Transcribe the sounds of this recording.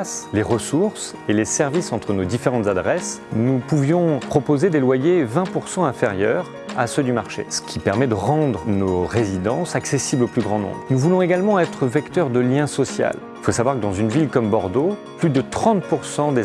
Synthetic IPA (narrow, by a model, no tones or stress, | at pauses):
sleʁəsuʁs | elesɛʁvisɑ̃t̪χənod̪ifeʁɑ̃t̪zad̪ʁɛsnupuvjɔ̃pχɔpozed̪elwajevɛ̃puʁsɑ̃ɛ̃feʁjœːʁ | a̰sød̪ymaʁʃḛsə̥kʲipɛʁmɛd̪əʁɑ̃d̪ʁənoʁezid̪ɑ̃saksesibloplyɡʁɑ̃nɔ̰̃bʁnuvulɔ̃eɡalmɑ̃ɛt̪χəvɛkt̪œʁd̪əljɛ̃sɔsja̰l | ilfosavwaʁkəd̪ɑ̃zynvilkɔmbɔʁd̪oplyd̪ət̪χɑ̃t̪̚puʁsɑ̃d̪e